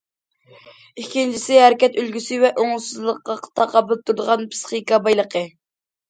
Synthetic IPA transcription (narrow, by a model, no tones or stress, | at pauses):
ikʲint͡ʃʰisɪɦæɾɪkʲɛt̪ølɡʲysɪvɛʔoŋʊsɨzlˠəqːɑqʰə̥t̪ʰɑqːɑbɨlˠɨp̚t̪ʰuɾd̪əʁɑnpʰɨ̥sχikɑbɑjlˠəqʰə